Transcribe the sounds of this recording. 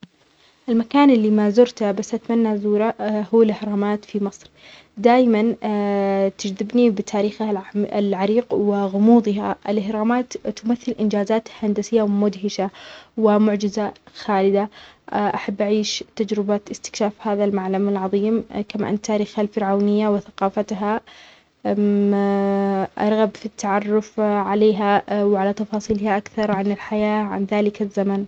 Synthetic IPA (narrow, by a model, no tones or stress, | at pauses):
ʔɪlmakaːnʔɪlːimazʊɾt̪abasːʔat̪manːazuːɾahuːalʔɪhɾˤɑːmaːt̪fimɨsˤɾ | d̪aːjman | t̪ɪd͡ʒðɪbnibɪt̪ʰaːɾiːxalʕaɾiːqwɪɣʊmuːd̪ˤɪɦaʔɪ̰lʔɪhɾˤɑːmaːt̪ːʊmaθːɪlʔɪnd͡ʒaːzaːt̪hand̪asɪjːawmʊd̪ɦɪʃawɪmʊʕd͡ʒɪzaxaːlɪd̪aʔaħabːʔaʕiːʃt̪ad͡ʒɾɪbaɪst̪ɪ̥kʃaːfhaːðalmaʕlamalʕɑðˤiːmkama̰ʔa̰nt̪ʰaːɾiːxalfɪɾʕawnɪjːawɪθaqɑːfat̪ɦa | ʔɑ̰ɾˤɣabfit̪ʰːaʕɑrˤːʊfʕaleːɦawʕalat̪ɑfɑːsˤiːlɪhaʔakθɑɾˤʕanɪlħajaːʕa̰nðaːlɪkazːaman